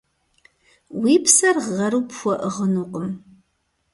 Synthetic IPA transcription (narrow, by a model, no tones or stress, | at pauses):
wiːpʰsɐrʁɐɾuːpxʷɔʔəʁənuːqʼəm